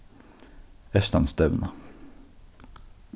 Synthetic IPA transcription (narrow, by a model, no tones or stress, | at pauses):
ɛst̪ɑ̰nsd̪ɛʋnə